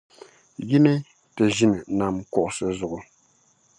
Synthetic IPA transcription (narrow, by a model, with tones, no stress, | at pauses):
ji˦nɛ˦ | tɛ˨ʒi˦nɨ˨na˨mkɔ˨ʔsə˦zu˨ʔʊ˨